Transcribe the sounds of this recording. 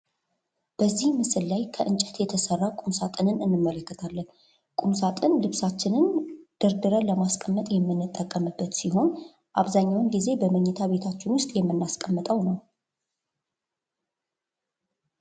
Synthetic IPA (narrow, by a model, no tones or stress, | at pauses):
b̥əzːihmɨsɨlːajkʰəʔɨnt͡ʃʼɛ̥t̪jɛt̪ʰəsərːakʼumsat̪ʼɨnɨnɨnːɨmːələkːət̪ʰalːən | kʼumsat̪ʼɨnlɨβsat͡ʃːɪnɨnd̪̥əɾd̪ɨɾələmaskʼəmːət̪ʼjɛmːɨnːɨt̪ʼːəkʼːəmɨbːət̪siɦo̞n | ʔaβzaɲːawɨnɡize̞bəməɲːɛt̪ʰaβe̞t̪ʰat͡ʃːɪnwʊst̪ʼjɛmːɨnːaskʼəmːət̪ʼəwnəw